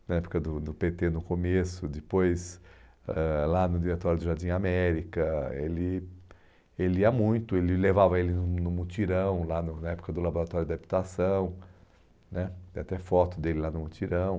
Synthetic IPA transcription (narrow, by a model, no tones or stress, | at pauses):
nɐɛpʊ̥kɐd̪ʊd̪ʊpet̪enʊkomesʊd͡ʒ̪ɪpojs | ɛlanʊd͡ʒiɾet̪ɔɾjʊd̪ʊʒaɾd͡ʒĩamɛɾikɐḛlɪ | eliɐmũj̃t̪ʊelɪlevavɐelɪnʊnʊmut͡ʃiɾɐ̃w̃lanʊnɐɛpʊ̥kɐd̪ʊlaboɾat̪ɔɾjʊd̪abit̪asɐ̃w̃ | nɛat̪ɛfɔt̪ʊd̪elɪlanʊmut͡ʃiɾɐ̃w̃